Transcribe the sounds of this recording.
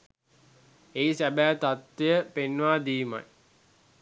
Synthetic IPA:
eisæbæːt̪at̪ʋejəpenːʋaːd̪iːma̰j

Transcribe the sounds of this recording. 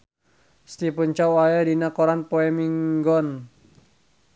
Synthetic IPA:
st̪ipəɲt͡ʃawajadinakɔɾanpoɛmiŋɡɔn

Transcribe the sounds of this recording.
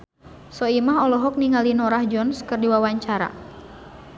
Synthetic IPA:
sɔimaɦɔlɔɦɔk̚niŋalinɔɾahd͡ʒɔnskɨrdiwawaɲt͡ʃaɾa̰

